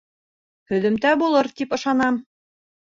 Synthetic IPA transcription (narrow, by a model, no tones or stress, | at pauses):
hɵ̆ðɘ̆mt̪æbulˠɤɾt̪ipɤ̆ʃɑnɑm